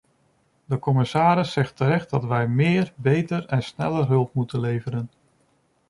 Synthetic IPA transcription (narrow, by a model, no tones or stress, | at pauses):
dəkɔmɪsaːɾɪsːɛχtəɾɛχt̚dɑtʋɛjmɪːɹbejtəɹɛnsnɛ̰ləɹɦɵlˠpmutənlejvəɾən